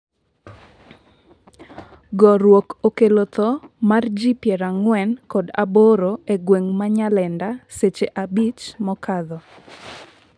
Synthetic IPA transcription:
ɡɔɾwokokelot̪ɔmard͡ʒipjɛɾaŋwɛnkɔda̰boɾoeɡweŋmaɲalɛndaset͡ʃeʔabit͡ʃmɔkad̪ɔ

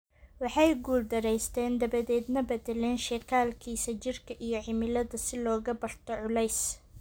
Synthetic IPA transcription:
wɑħɑjɡuːld̪ɐɾɛjst̪ʰɛːnd̪ɐβɐðɛːd̪nɐbɐd̪ɛlɛːnʃɛkʰaːlkʰiːsɐt͡ʃɪrkʰɐʔijɞʕɪmɪlɐðɐsɪlɔːɣɐbɐrt̪ʰɔʕʊlɛjs

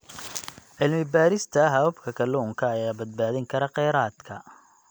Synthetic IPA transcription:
ʕɪlmɪbaːɾɪst̪ʰɐɦɐwɐbkʰɐkʰɐlʊːŋkʰɐːjaːbɐd̪̚baːðɪŋkʰɐɾɐqɛjɾaːd̪kʰɐ

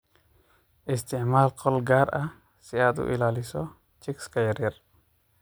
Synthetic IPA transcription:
ʔɪst̪ɪʕmaːlkʰɔlɡaːɾʔɐ | siad̪ṵʔḭlaːlisɔ | t͡ʃikskajɾiɾ

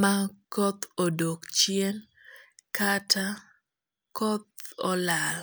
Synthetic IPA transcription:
makɔt̪odokt͡ʃjen | katʰa | kɔt̪̚ɔlal

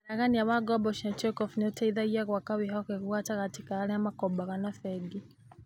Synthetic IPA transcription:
naɣaniaβaɡɔbɔʃat͡ʃɛkɔfnɛɔtaiðaiaɣwakawiɦakɛɣuatakatikaalɛamakɔbaɣanafɛɡi

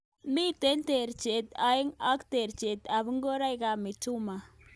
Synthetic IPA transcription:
mit̪ent̪eɾt͡ʃet̪ajŋakt̪eɾt͡ʃet̪aβɪŋɡoɾajɡɑmɪt͡ʃuma

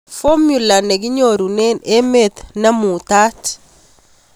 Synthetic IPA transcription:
fomjulaneɡiɲoɾunenemet̪nɐmut̪at

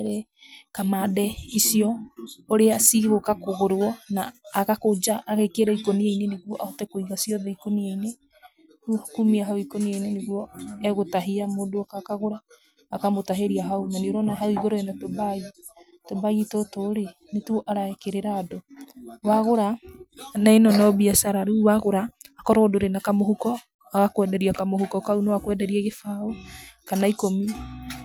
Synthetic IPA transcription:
ɾɛ | kamadɛisiɔoɾeasiɣokakoɣoɾɔnaːɣakod͡ʒaʔːɣekeɾɛikonieineneɣwɔʔaotɛkoiɣasiɔðɛikonieine | tkumiaɦaoikonieineneɣwɔɛɣotaɦeamodoakakaɣoɾaː | kamotaɦeɾiaɦaumanioɾɔnaɦauiɣoɾɔɛnatobai | tobajitotoɾe | netuoʔaɾaɛkeɾeɾaːdowaɣoɾa | naenɔnɔbiasaɾaɾuwaɣoɾaː | kɔɾɔodoɾenakamoɦukɔ | aɣakwɛdɛɾiakamohukɔkaunewakwɛdɛɾiaɣefaokanaikomi

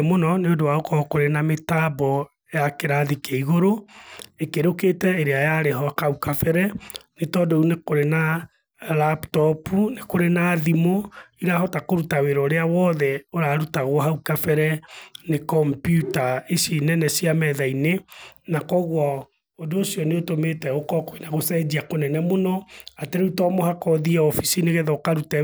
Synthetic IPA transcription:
monɔneodowaokɔkoɾenametabɔ | jakeɾaðikeiɣoɾoekeɾoketɛeɾeajaɾeɦɔkaukafɛɾɛnetɔdounekoɾena | laptɔpunekoɾenaðimoiɾahɔtakoɾutaweɾɔɾeawɔðɛoɾaːɾutaɣwɔɦaukafɛɾɛnekɔmpjutaesinɛnɛsiamɛðainenakɔɣwa | odoːsiɔneotometɛɣokɔkoinaɣosɛd͡ʒiakonɛnɛmonɔateɾeutɔmohakɔðiaɔfisineɣeðaokaɾutɛ

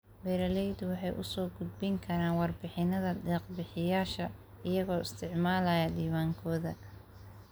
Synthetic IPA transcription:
bɛɾɐlɛjd̪wɑħɑjʔʊ̰sɔːɡʊd̪̚bɪŋkʰɐɾaːnwɑrbɪħɪnɐðɐɖɛːqbɪħɪjaːʃɐ | ɪjɐɣɔːɪst̪ʰɪʕmaːlɐjɐdiːwaːŋkʰɔːðɐ

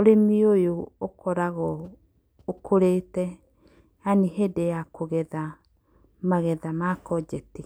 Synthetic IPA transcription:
oɾemiojookɔɾaɣɔ | okʰoɾetɛ | aniɦedejakoɣɛða | maɣɛðamakɔd͡ʒɛti

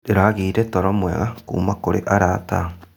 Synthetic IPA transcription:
ɾeɾaɣiːɾɛtɔɾɔmwɛɣakṵːmakoɾḛʔaɾata̰

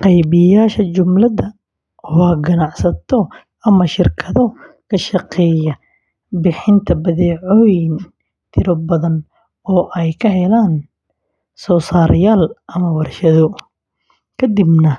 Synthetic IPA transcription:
qɛjβɪjaːʃɐt͡ʃʊmlɐðɐ | wɑɡɐnɑʕsɐt̪ʰɔ | ɐmɐʃɪrkʰɐðɔ | kʰɐʃɑqɛːjɐ | bɪħɪnt̪ʰɐbɐðɛːʕɔjɪn | t̪ʰɪɾɔbɐðɐn | ɔːʔɛjkʰɐɦɛlaːn | sɔːsaːɾʔɪjaːlʔɐmɐwɐrʃɐðɔ | kʰɐd̪ɪbnɐ

